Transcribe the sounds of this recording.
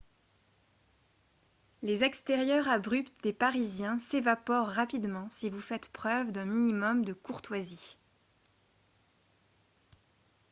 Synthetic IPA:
lezɛkst̪eʁjœʁabʁypt̪d̪epaʁizjɛ̃sevapɔʁːapid̪mɑ̃sivufɛt̪pχœvd̪ɛ̃minimɔmd̪əkuʁt̪wazi

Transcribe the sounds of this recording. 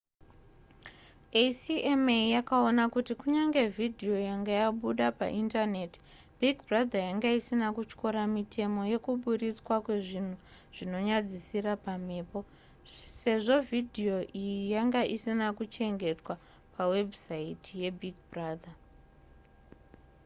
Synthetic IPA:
esiemejakao̞nakutikuɲaŋɡe̞vʱidʱio̞jaŋɡajaɓuɗapa̰ʔintane̞ti̥ | bʱiɡʱbʱrad̪ʱajaŋɡaisinakut͡ʃko̞ɾamitʰe̞mo̞je̞kuɓuɾit͡swakwe̞ʐin̤u | ʐ̥ino̞ɲad͡zisirapam̤e̞ːpo̞ | se̞ʐo̞vʱidʱio̞ʔijijaŋɡaʔisinakut͡ʃe̞ŋɡe̞twa | pawe̞bsaitʰije̞bʱiɡ̚braːd̪ʱa

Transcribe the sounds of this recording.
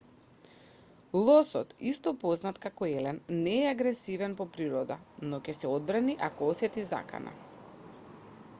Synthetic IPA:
lˠɔsɔ̰t̪ist̪ɔpɔznat̪kakɔɛlɛnːɛːaɡɾɛsivɛnpɔpɾiɾɔd̪a̰nɔcʲɛsɛod̪̚bɾaniʔakɔɔsɛt̪iza̰ka̰na̰

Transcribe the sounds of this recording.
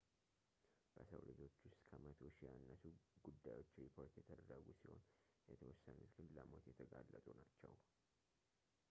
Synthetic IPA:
b̥əsə̰wlɨd͡ʒo̞t͡ʃːwʊst̪kʰəmət̪ʰoʃjanːəsuɡud̪ːajwo̞t͡ʃːɾipʰo̞ɾt̪jɛt̪ʰəd̪əɾːəɡusiho̞̰n | jɛt̪ʰəwɔsːanut̪ɡɨnləmo̞t̪jɛt̪ʰəɡalːət̪ʼunat͡ʃːɛw

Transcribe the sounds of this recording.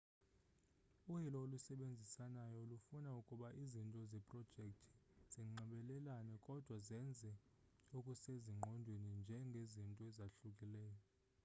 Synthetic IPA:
uhilɔolusɛɓend͡zʱisanajɔulufunaukʼuɓaʔizintʼɔzɛpʼrɔd̥ʒ̥ʱekʼtʰi̥z̥iŋ͡ǃɛɓɛlɛlanɛkʼɔd̥ʱwazɛnd͡zʱɛ | ukʼuseziŋ͡ǃʱɔndʱwenind͡ʒʱɛŋɡʱezintʼɔɛzaɬukʼilɛːjɔ

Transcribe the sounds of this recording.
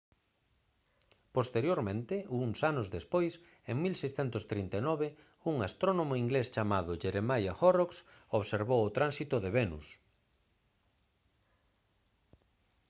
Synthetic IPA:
post̪eɾjoɾmẽnt̪ɪuŋsanʊzðespojs | eŋmilsejsθɛnt̪ʊst̪ɾint̪enɔβe | uŋast̪ɾonomʊiŋɡlest͡ʃamaðʊʒeɾemajaxoroksoβseɾβowʊt̪ɾansit̪ʊðeβenṵs

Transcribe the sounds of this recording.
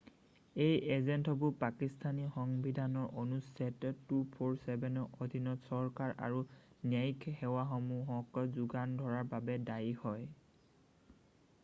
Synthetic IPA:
ejʔezɛntɔbupakistʰanixɔŋbidʱanɔɹʔonusɛtɔtːupʰoɹsɛbɛnɔodʱinɔtsɔɹkaɹa̰ɹuniajkʰhɛwaxɔmuɦɔkɔzuɡandʱɔɹaɹbabɛdajhɔj

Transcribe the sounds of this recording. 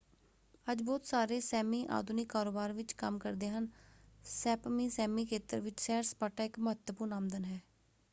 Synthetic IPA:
əd͡ʒbɔːt̪saːɾeːsɛːmiːʔa̰ːd̪unɪkːaːɾoːbaːɾʋɪt͡ʃkəmkəɾd̪eːɦənsɛːpmiːsɛːmiːkʰeːt̪əɾʋɪt͡ʃsɛːɾspaːʈaːɪkmɦət̪əpunaːmd̪ənɦɛː

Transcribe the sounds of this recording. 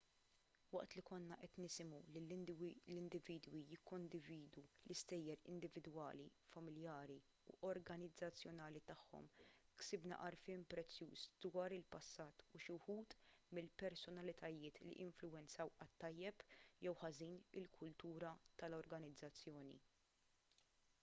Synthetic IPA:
wɐʔt̪likɔnːɐʔɛt̪nɪsɪmulɪllɪnd̪ɪviːd̪wijɪkʰːɔnd̪ɪviːd̪ulɪst̪ɛjːɛɾɪ̰nd̪ɪvɪd̪wɐ̰ːlifɐmɪljɐːɾi | ṵʔɔɾɡɐnɪd͡zːɐt͡sːjɔnɐːlit̪ɐħːɔ̰mksɪbnɐ̰ʔɐɾfɪːmpɾɛt͡sːjuːsd̪̥wɐːɾɪlpɐsːɐːt̪ʊʃʊħuːt̪mɪlpɛɾsɔnɐlɪt̪ɐjɪːt̪lḭʔɪɱflʊwɛnt͡sɐwʔɐt̪ːɐjːɛpjɛwħɐziːnɪlkʰʊlt̪uːɾɐt̪ɐlɔɾɡɐnɪd͡zːɐt͡sːjɔːnḭ

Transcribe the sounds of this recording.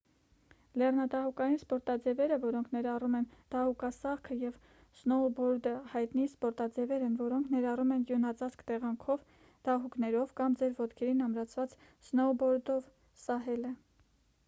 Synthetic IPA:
lɛrnɑd̪ɑhukɑjinspɔɾt̪ɑd͡zɛvɛɾəvɔɾɔŋkʰnɛɾɑrumɛnd̪̥ɑhukɑsɑʁkʰəjɛv | snɔbɔɾd̪əhɑjt̪nispɔɾt̪ɑd͡zɛvɛɾɛnvɔɾɔŋkʰnɛɾɑrumɛnɡjunɑt͡sɑt͡skt̪ɛʁɑŋkʰɔv | d̪̥ɑɦuknɛɾɔvkɑmd͡zɛɾvɔt̪kʰɛɾinɑmɾɑt͡sʰvɑt͡s | snɔbɔɾd̪ɔv | sɑɦɛlə

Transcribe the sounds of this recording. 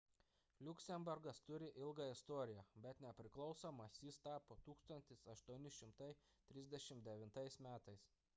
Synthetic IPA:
lʲʊkʲsʲɛmʲbʊɾɡɐst̪ʊɾʲɪʔɪlˠɡɑɪst̪ɔːɾʲɪjɛbʲɛt̪nʲɛpʲɾʲɪklˠɒʊsomɐsʲjiːst̪ɑːpoːt̪uːkst̪ɐnʲt̪ʲɪsɐʃt̪uɔnʲɪʃʲɪmt̪ɐɪ | t̪ʲɾʲɪzʲd̪ʲɛʃʲɪmd̪ʲɛʋʲɪnt̪ɐɪsmʲæːt̪ɐɪs

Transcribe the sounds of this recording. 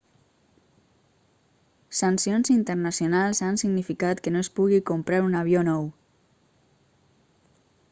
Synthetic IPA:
sansionzint̪ərnasjonalˠzansiɡnifikat̪kənoespuɣikumpɾaɾunaβjonɔw

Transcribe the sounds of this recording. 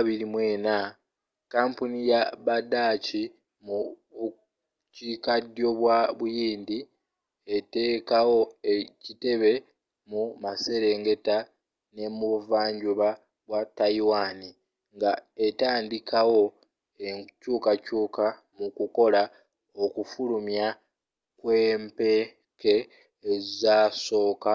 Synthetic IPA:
βiɾimwe̞ːna | kaːmpunijaβadaci | mu | cikadjo̞βwaβujiːndi | ete̞ːkawo̞e̞cite̞βe̞ | mumase̞ɾe̞ːŋɡe̞ta | ne̞muvaːɲɟuβa | ɡwatːaiwani | ŋɡaetaːndikʰawo̞ | ecuːkacuːka | mukuko̞la | o̞kufulumja | kwe̞ːmpe | keː | zizaso̞ːka

